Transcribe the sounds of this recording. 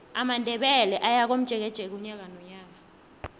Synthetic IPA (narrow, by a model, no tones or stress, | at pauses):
amandʱɛɓɛlɛʔajak̬om̩d̥ʒ̥ʱɛk̬ɛd̥ʒ̥ʱɛk̬uɲak̬anɔɲaːk̬a